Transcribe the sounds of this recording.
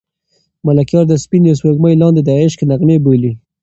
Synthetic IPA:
malakjɑɾd̪əspinjawswoɡməjlɑnd̪ed̪ɑɪʃkenakneboli

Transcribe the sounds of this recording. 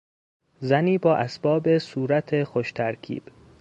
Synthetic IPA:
zæniːbɒːʔæsb̥ɒːbesuːɾæt̪ʰexoʃt̪ʰæɾkʰḭːb̥

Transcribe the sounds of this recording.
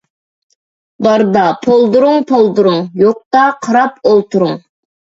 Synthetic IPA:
bɑɾd̪ɑpʰolˠd̪uɾʊŋpʰolˠd̪uɾuŋjoq̚t̪ɑqʰɑɾɑpolˠt̪ʰuɾuŋ

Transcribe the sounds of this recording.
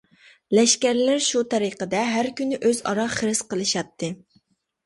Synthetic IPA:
lɛʃkʲæɾlɪɾʃut̪ʰɛɾɨqəd̪ɛɦæɾkʲynɪʔøzɑ̰ɾɑχəɾɪsqəlˠɨʃɑt̪ʰːɨ

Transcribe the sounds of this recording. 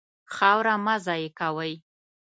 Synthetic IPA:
xɑwɾamazɑjekawəj

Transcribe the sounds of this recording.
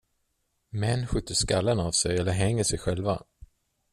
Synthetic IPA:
mɛnːɧʏt̪ʰːəʂkalːənavsɛjɛlːəɾɦɛŋːəʂɛjɧɛlva

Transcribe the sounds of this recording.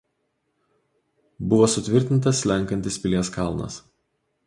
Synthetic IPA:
bʊʋoːsʊt̪ʲʋʲɪɾʲt̪ʲɪnˑt̪̬ɐslʲɛŋˑkɐnʲt̪ʲɪspʲɪlʲeːskɐlˠnɐ̰s

